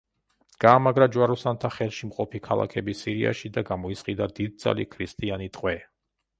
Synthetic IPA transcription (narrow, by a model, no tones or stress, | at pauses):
ɡ̥aːmaɡɾad͡ʒwaɾɔsant̪ʰaχɛlˠʃimqʼɔpʰikʰalˠa̰kʰɛbisiɾia̰ʃid̪aɡamɔisqʼid̪ad̪id̪̚d̪za̰lḭkʰɾist̪ʼianit̪ʼqʼwɛ